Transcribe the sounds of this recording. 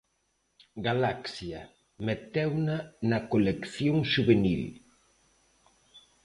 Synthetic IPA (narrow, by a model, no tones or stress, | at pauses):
ɡalaksja | met̪ɛwnanɐkolekθjoŋʃuβenḭl